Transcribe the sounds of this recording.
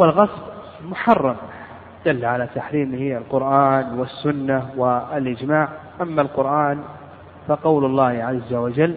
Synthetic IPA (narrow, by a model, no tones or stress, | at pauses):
walɣɑsˤb | mʊħɑrˤːɑm | d̪̥ɪlːʕalat̪aħɾiːmɪhɪalqʊɾʔaːnwɪsːʊnːawɪɪlʔɪd͡ʒmaːʕʔamːalqʊɾʔaːn | faqɑwlʊlˤːɑːhʕazːawad͡ʒalː